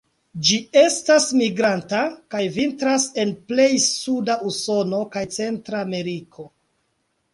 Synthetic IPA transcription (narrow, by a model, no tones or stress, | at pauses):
d͡ʒie̞stasmiɡɾantakajvintɾase̞nple̞jsudauso̞no̞kajt͡se̞ntɾaːme̞ɾikʰo̞